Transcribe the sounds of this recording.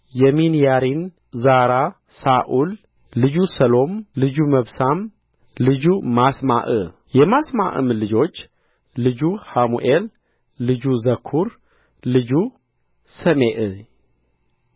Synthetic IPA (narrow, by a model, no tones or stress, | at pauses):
jɛminjaɾin | zaɾa | saʔulː | ɨd͡ʒusəlo̞mlɨd͡ʒuməβsam | lɨd͡ʒumasma̰ʔɨ̰ | jɛmasma̰ʔɨ̰mlɨd͡ʒo̞t͡ʃː | lɨd͡ʒuhamuʔelː | ɨd͡ʒuzəkʰːuɾ | lɨd͡ʒu | səmeʔɨ